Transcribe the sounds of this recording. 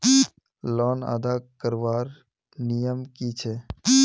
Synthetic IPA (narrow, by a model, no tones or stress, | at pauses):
lɔːna̰ːd̪akəɾʋaːɾ | nijəmkit͡ʃʰe